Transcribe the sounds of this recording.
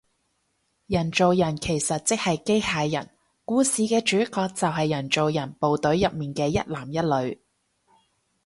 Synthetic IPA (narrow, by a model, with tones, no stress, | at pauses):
jɐ˨˩nt͡so˨wjɐ˨˩nkʰe˨˩jsɐ˨t̚t͡sɪ˥k̚hɐ˨jke˥jhaː˨˧jjɐ̰˨˩n | kuː˨˥siː˨kɛː˧t͡ʃyː˨˥kɔː˧k̚t͡sɐ˨wɦɐ˨jːɐ˨˩nt͡so˨wjɐ˨˩npo˨wt̪ɵ˨˥ɥjɐ˨p̚miː˨˩nkɛː˧jɐ˥t̚laː˨˩mjɐ˥t̚lɵ˨˧˥ɥ